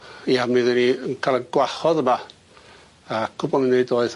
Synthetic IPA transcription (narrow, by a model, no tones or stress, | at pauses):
iamɪðəniənkʰalˠənɡ̥wahɔðəma | akʰʊbɔminejdoːɨð